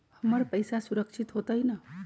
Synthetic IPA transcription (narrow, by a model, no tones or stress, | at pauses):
həməɾpəjsasuɾəkt͡ʃʰit̪ɦot̪əjnə